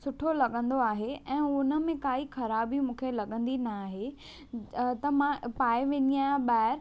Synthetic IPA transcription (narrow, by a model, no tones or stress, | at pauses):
sʊʈʰolɐɠə̃nd̪oaːɦeɛ̃ːʊnə̆mẽkaːixɐɾaːbimũːkʰelɐɠə̃nd̪inaːɦe | t̪ɐmãpaːeʋẽːnijãːɓaːɪɾ